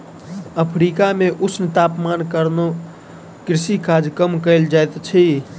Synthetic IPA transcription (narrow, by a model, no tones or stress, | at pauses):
əpʰɾikameʔusʰnt̪apmankəɾno | kɾɪsikad͡ʒkəmkəɪld͡ʒajt̪t͡ʃʰi